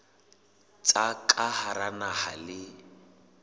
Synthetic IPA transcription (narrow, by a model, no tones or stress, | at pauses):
t͡sʼakʼahaɾanahalɪ